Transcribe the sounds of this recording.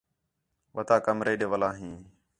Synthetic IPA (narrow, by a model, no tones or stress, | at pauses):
ʋət̪aːkəmɾeːɗeːʋəlaːɦĩː